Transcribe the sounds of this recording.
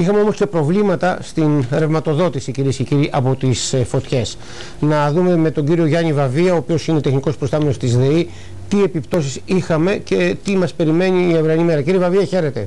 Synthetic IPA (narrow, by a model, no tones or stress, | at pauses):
ixɐmeo̞mo̞sce̞pɾo̞vlimɐt̪ɐst̪inɾe̞vmɐt̪o̞ðo̞t̪isiciɾie̞sce̞ciɾiʔɐpo̞t̪isfo̞t̪çe̞s | nɐðume̞me̞t̪o̞ɲɟiɾio̞ʝɐɲnivɐviɐoːpio̞sine̞t̪e̞xniko̞spɾo̞st̪ɐme̞no̞st̪izðe̞i | t̪ie̞pipt̪o̞sisixɐme̞ce̞t̪imɐspe̞ɾime̞niːevɾɐnime̞ɾɐciɾivɐviɐçe̞ɾe̞t̪e̞